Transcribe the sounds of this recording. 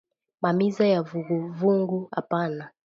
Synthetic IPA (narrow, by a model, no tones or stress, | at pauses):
mamizajavuɡuvuŋɡuha̰pana